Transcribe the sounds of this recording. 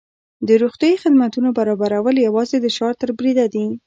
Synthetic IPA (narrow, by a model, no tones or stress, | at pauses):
d̪əɾuxt̪jɑjixɪd̪mat̪unobaɾɑbaɾawəljawɑzed̪əʃɑɾt̪əɾbɾid̪ad̪i